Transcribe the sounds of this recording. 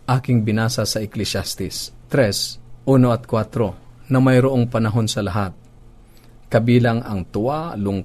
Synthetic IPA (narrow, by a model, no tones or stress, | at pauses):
ʔaːkɪŋbɪnaːsɐsɐʔɪklɛsast̪ɪst̪ɾɛsʔuːnoɐt̪̚kwat̪ɾo̞nɐmɐjɾoʔoŋpɐnɐɦo̞nsɐlɐɦat̪̚ | kɐbiːlɐŋɐŋt̪ʊʔalʊŋ